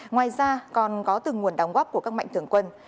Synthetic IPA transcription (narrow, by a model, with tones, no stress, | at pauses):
ŋwaː˨˩jzaː˧kɔ˨˩nkɔ˨˦t̪ɨ˨˩ŋu˨˩ənɗa˨˩wŋ͡mɣɔ˦˥p̚ku˧˩əkaː˦˥k̚m̰a˧˨jŋt̪ʰɨ˧˩əŋkwə˧n